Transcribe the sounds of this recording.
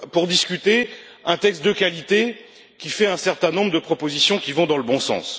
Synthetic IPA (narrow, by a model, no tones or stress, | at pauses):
puʁd̪iskʲyt̪e | ɛ̃t̪ɛkst̪̚d̪əkalit̪e | kʲifɛɛ̃sɛʁt̪ɛ̃nɔ̃bʁəd̪əpχɔpozisjɔ̃kʲivɔ̃d̪ɑ̃ləbɔ̃sɑ̰̃s